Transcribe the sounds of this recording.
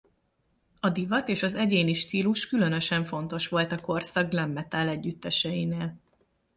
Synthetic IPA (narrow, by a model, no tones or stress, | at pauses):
ɒd̪ivɒt̪eːʃɒzɛɟeːniʃt̪iːluʃkylø̞nø̞ʃɛɱfo̞nt̪o̞ʃʋo̞lt̪ɒko̞rsɒɡɡlɛmːɛt̪aːlɛɟːyt̪ːɛʃɛjineːl